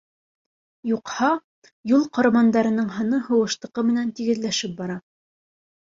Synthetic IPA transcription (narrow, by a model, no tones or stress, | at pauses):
juqhɑ | julˠqɑɾɑmɑnd̪ɑɾɤ̆nɤɴɦɤ̆nɤɦɤ̆wɤ̆ʃt̪ɤ̆qɤmɘ̆nænt̪iɡɘ̆ðlæʃɘp̚bɑɾɑ